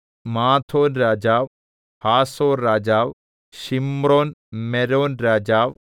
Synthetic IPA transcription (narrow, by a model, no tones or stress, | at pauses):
maːt̪ʰoːnɾaːd͡ʒaːʋ | haːsoːɾːaːd͡ʒaːw | ʃimɾoːnmɛɾoːnɾaːd͡ʒaːʋ